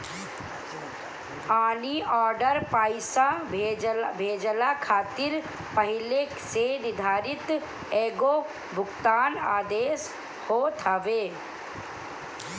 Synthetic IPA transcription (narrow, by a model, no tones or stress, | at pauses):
aːniʔɔːɾɖəɾpaːɪsa | bʱeːd͡ʒəlakʰaːt̪ɪɾ | pɐɦɪle | senɪd̪ʱaːɾɪt̪ | eːɡo | bʱʊɡt̪aːnaːd̪eːs | hot̪ʰəʋeː